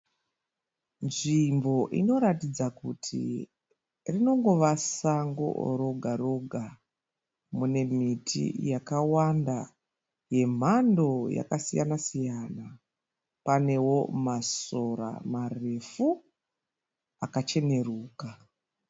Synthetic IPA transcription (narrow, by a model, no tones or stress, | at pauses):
nʐimbo̞ʔḭno̞ɾatid͡zakutʰḭ | rino̞ŋɡo̞ʋasaŋɡo̰ɾo̞ɡʱaɾo̞ɡʱa | mune̞mitʰḭjakawanda | je̞m̤ando̞ja̰kasijanasijana | pane̞wo̞masoɾa̰mare̞fu | akat͡ʃe̞ne̞ruːka